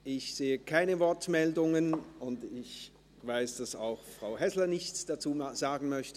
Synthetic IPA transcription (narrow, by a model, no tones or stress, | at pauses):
ʔɪçz̥eːəkʰaɪnəvɔɐtmɛldʊŋənʊndɪç | vaɪsd̥asa̰ʊxfʁ̥aʊɦɛslɐnɪçt͡sd̥at͡suːz̥aːɡŋn̩mœçtə